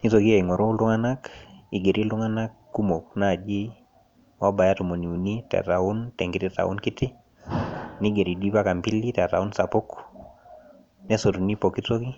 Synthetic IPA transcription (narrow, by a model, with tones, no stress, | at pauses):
ni˦to˨ki˦a˨iŋɔ˨ɾɔ˦lʊ˦ŋa˦na˦ki˨ɡe˨ɾʔi˦lʊ˦ŋa˦na˦kːu˦mo˨k̚na˦˨d͡ʒi˦ | wɔ˦ba˨ja˦tu˨mo˨ni˨u˨ni˦ta̰˨ta˨u˦ntɛ˨ŋɡɪ˦tɪ˦ta̰˨ṵ˦nkɪ˦tɪ˦ | niɡe˨ɾi˨di˦ba˦ka˨mpi˦lita˨ta˨u˦nsa˨po˦k | nɛ˦so˨tu˨ni˦pɔki˦to˦ki˦